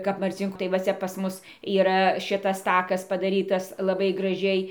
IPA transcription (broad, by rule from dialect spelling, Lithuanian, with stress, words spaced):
kɐp mɐrʲˈt͡sʲɪŋkuː tɐɪ ʋɐ ˈt͡sʲɛ pɐs ˈmʊs iːˈrɐ ˈʃʲɪtɐs ˈtɑːkɐs pɐdɐˈrʲiːtɐs lˠɐˈbɐɪ ɡrɐˈʒʲɛɪ